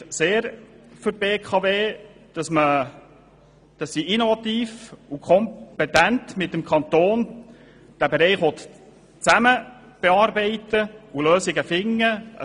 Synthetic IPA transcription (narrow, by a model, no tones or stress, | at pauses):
seːɾfʏɾ̚beːkʰɑveːd̥ɑsmə | d̥ɑsːiinovɑt̪iːfukʰχɔmpɛt̪æntmɪtːəmkʰχɑnt̪oːn | d̥æbeɾɛɪχʋɔt̪ | t͡sæmə | b̥ɛɑːɾbɛɪtəuløːsɪɡəfɪŋːəə̰